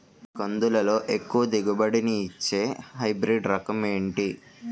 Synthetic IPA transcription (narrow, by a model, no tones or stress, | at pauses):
kɐnd̪ulɐlo̞ːʔekːuʋɐd̪iɡɐbɐɽiniːt͡ʃːe̞ːɦɐjbɾiɖɾɐkɐme̞ːɳʈi